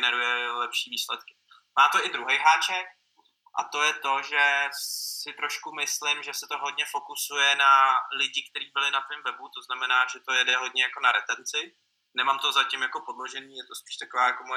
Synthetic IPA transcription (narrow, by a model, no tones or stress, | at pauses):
nɛɾujɛlɛpʃiːviːslɛt̪kɪ̥ | maːt̪oʔɪd̪ɾuɦɛjɦaːt͡ʃɛk̚ | ʔa̰t̪o̞jɛt̪o̞ʒɛ | ɪt̪ɾo̞ʃkumɪslɪmʒɛsɛt̪o̞ɦo̞dɲɛfo̞kusujɛnalɪɟɪkt̪ɛɾiːbɪlɪnat̪vɪmvɛbut̪o̞znamɛnaːʒɛt̪o̞jɛdɛɦo̞d̚ɲɛjako̞naɾɛt̪ɛnt͡sɪ | nɛmamt̪o̞zacɪmjako̞podloʒɛniːjɛt̪ospi̥ːʃt̪akovaːjakomojɛ